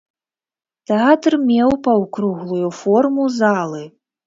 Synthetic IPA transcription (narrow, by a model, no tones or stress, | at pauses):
t̪ɛat̪rmʲɛwpɐwkɾuɣlˠujufɔrmuzalˠɨ